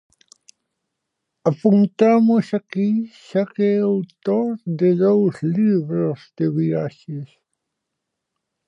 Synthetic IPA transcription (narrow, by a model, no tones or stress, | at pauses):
apunt̪amosakiʃakeawt̪oɾd̪eðowsliβɾozd̪eβiɾaʃes